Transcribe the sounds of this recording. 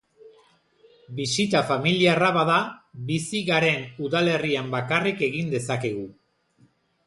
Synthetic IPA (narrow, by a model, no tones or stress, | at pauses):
bisit̪afamiliaraβaðaβisiɣaɾe̞nuðale̞riambakarike̞ɣind̪e̞sake̞ɣ̞u